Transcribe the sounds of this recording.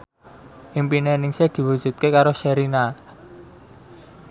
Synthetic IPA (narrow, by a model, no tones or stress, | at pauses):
ʔimpinenɪŋsed̪̥i̤wud̥ʒ̥ṳt̪̚kekaɾoʃɛɾina